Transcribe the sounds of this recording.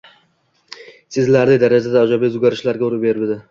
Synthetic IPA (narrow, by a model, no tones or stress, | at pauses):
sɪzlaɾnɪd̪aɾad͡ʒad̪aːd͡ʒabizʊɡʲaɾɪʃlaɾɡʲaʊɾɪbeɾɪbɪd̪ɪ